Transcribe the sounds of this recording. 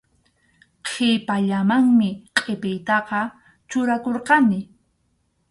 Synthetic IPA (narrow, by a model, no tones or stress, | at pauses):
qʰepaʎamaŋmɪqʼepɪjt̪ɑqɑ | t͡ʃʊɾakoɾqɑnɪ